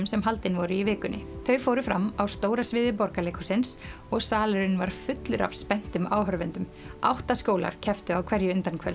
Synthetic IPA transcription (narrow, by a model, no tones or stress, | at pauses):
msɛmɦalt̪ɪnvɔɾʏivɪːkʏnːɪ̰θœɥfoːwɾʏfɾamːawst̪oːwɾasvɪːðɪpɔɾkaleːkʰɔsɪns | ɔɣsaːlʏɾɪnvaɾ̥fʏt̪lʏɾa̰v̥spɛn̥t̪ʏmaːwɦœɾvɛnt̪ʏm | a̰wht̪askoːwla̰ɾ̥cʰɛft̪ʏawkʰɛɾjʏʏnt̪ankʰvɛ̰l